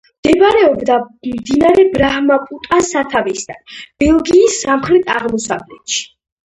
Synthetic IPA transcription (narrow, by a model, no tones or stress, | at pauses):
md̪̥ɛbɾɛɔbd̪amd̪inaɾɛbɾahmapʼut̪ʼasat̪ʰavɛsd̪a̰nb̥ɛlˠɡiːsːamχɾɛt̪ʰaʁmɔsavlɛt̪ʃi̥